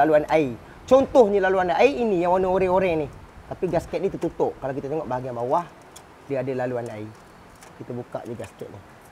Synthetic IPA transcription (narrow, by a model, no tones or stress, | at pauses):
aluanai | t͡ʃɔnt̪ɔhɲəlaluanaiːnijaŋonioɾɛoɾɛnɪh | t̪apiɡaskɛt̪̚ɲit̪ut̪ut̪ʊʔkalawkit̪at̪eŋɔʔbaɦaɡianbawah | diadalaluanai | kit̪abuka̰ʔd͡ʒəɡaskɛt̪̚ni